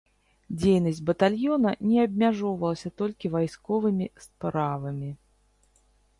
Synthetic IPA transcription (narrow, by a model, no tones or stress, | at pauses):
d͡zʲejnɐsʲtʲbɐt̪alʲjɔnɐnʲɛɐbʲmʲaʐɔvɐlˠɐsʲɐt̪ɔlʲkʲivajskɔvɨmʲispɾavɐmʲi